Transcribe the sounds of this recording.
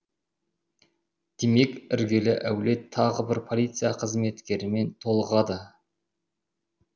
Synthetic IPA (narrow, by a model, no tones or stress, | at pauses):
d̪̥e̞me̞kɪɾɡʲe̞lɪʔæwle̞t̪ʰːɑʁəbɪɾpʰo̞lʲˠijt̪sɨjaqʰəzme̞t̪kʲe̞ɾɪme̞nt̪ʰo̞lˠəʁɑd̪ə